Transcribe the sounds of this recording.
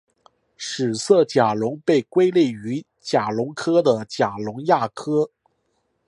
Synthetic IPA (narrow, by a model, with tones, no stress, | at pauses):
ʂɻ̩˨˩sɤ˥˩t͡ɕja˨˩lʊ˧˥ŋpe˥˩ɪkwe˥ɪli˥˩y˧˥ | t͡ɕja˨˩lʊ˧˥ŋkʰɤ˥d̪ə˨t͡ɕja˨˩lʊ˧˥ŋja˥˩kʰɤ˥